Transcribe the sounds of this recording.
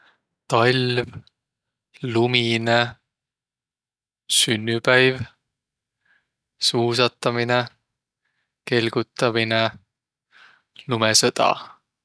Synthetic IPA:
t̪ɑlʲv | lumine | synːypæjv | suːsɑt̪ːˑɑmine | ke̞lɡ̥ut̪ːˑɑmine | lumesɤt̪ɑ̰

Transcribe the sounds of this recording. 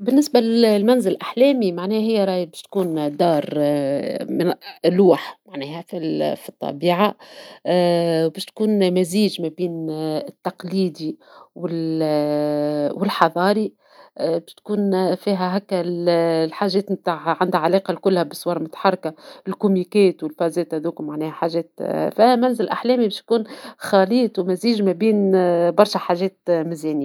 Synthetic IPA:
bɪnːɪsbalɪlmænzɪllʔaħlɛːmimaʕnɛːɦɪjːæɾˤɑːjbæːʃt̪kuːnd̪ɑːɾˤ | mɪnluːħmaʕnɛːhæfilfit̪ˤːɑ̰biːʕa | wbɛːʃt̪kuːnmæziːʒmæbiːnt̪ːɑqliːd̪iwɪl | wɪlħɑðˤɑːɾi | bɛːʃt̪kuːnfiːɦæɦækːællħaːʒɛːt̪mt̪aːʕʕand̪hæʕalɛːqɑlkʊlːhæbɪsˤwɑːɾˤmʊt̪ḁħɑrˤːɑkaɪlkʊmikɛːt̪wɪlfɑːzɛːt̪hæðuːkmaʕnɛːhæħaːʒɛːt̪fihæmænzɪlʔaħlɛːmibɛːʃt̪̚kuːnxɑːliːt̪wmæziːʒmæbiːnbɑɾˤʃæħaːʒɛːt̪̚mɪzɛːnjː

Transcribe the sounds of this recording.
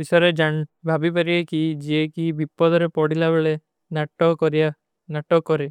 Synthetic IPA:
bisɔɾed͡ʒaɳbʱabipaɾiekid͡ʒiekibipːɔd̪ɔɾepɔɽilabeɭe | naʈɔkɔɾia | naʈɔkɔɾe

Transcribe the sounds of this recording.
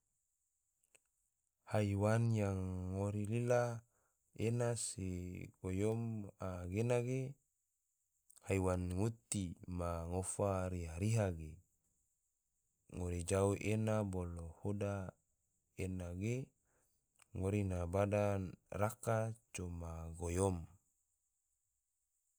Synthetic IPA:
haiwanjaŋːoɾilila | enaseɡojomaɡenaɡe | haiwanŋut̪imaŋofaɾiɦaɾiɦaɡe | ŋoɾid͡ʒauʔenabolohoda | enaɡe | ŋoɾinabadanrakat͡ʃomaɡojom

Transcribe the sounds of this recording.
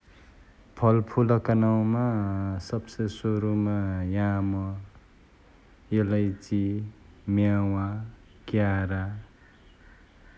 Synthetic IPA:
pʰʌlpʰulʌkanaw̃masʌbsʌjsoɾumajamʌ | jelʌjt͡simjawa | kjaɾa

